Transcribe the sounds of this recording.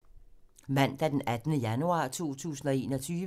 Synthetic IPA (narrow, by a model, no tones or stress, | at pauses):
mæn̰d̥æd̥enæd̥nəjænuɑ̰̈ːt͡sʰo̝̰ːt͡sʰṵːsn̩ɒ̽e̝̰ːnɒ̽t͡sʰyːʋ